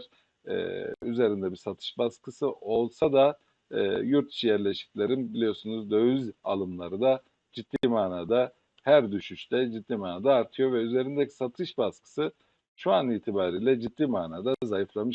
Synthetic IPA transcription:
ɾ̥ | ɛ̰ːyze̞ɾind̪ɛbisat̪ʰɯ̥ʃbaskʰɯsɯʔo̞lˠsad̪a̰ | juɾt̪i̥ʃijæɾlʲeʃi̥clʲeɾinbilʲijo̞sunuzd̪ø̞yza̰lˠɯmlˠaɾɯd̪a | d͡ʒit̪ːiːmaːnaːd̪a | hæɾd̪yʃyʃt̪ʰɛd͡ʒitd̪ːiːmaːnaːd̪aːɾt̪ʰɯjo̞vɛyze̞ɾind̪ɛcʰi̥sat̪ʰɯʃbaskɯ̥sɯ | ʃuaniːt̪ʰibaːɾiːlʲɛd͡ʒit̪ːiːmaːnaːd̪azajɯflˠamɯʃ

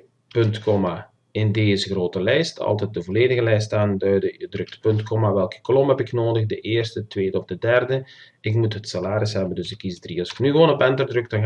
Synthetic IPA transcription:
pɵntkɔma | ɪndeːzəxroːtəlɛjstɑ̰lˠtɛt̚dəvoleːdəɣəlɛjstaːndœɥdəjədrɵk̚tpɵntkɔmaʋɛlˠkə̥klɔmɦɛpɪknoːdəxdəʔeːrstətʋeːdəɔfdədɛrdə | ɪkmutɦətsalaːɾɪsɦɛbəndɵsɪkːizdriɑskənyɣʋoːnɔpɛntərdrɵk̚dɑn

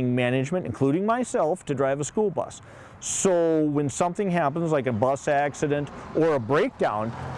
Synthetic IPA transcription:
ɪ̃ŋmænɨd͡ʒmɨ̃ntɨ̰̃nkʰl̥uɾɪ̃ŋmaɪsɛlˠftʰɨdɹaɪvəskulˠbʌ̰sː | oʊwɨ̃nsʌ̃mθɪ̃ŋɦæp̬ə̃n̩zlaɪk̬ɨbʌsæksɨɾɨ̃ntʔə˞əbɹeɪk̚d̥ãʊ̃n

